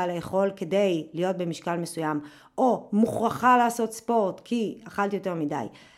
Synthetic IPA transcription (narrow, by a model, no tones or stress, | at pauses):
alejeχo̞lke̞de̞jlijo̞t̚be̞miʃkalme̞sujam | ʔomuχʁaχalaːso̞tspo̞ʁtkʰiaχaltijo̞te̞ʁmida̰j